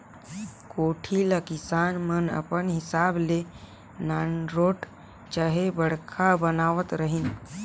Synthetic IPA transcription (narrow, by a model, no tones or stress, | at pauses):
koʈʰiləkisanmənə̰pənɦisable | nanɾoʈ | t͡ʃaɦebəɽ̤kʰabənaʋət̪ɾəɦin